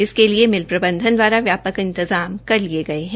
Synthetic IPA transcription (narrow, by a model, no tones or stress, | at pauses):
ɪskeliemɪlpɾɐbə̃nd̪ʱənd̪waːɾaʋjaːpəkɪ̃nt̪ɪzaːmkɐɾlieɡɐeɦɛ̃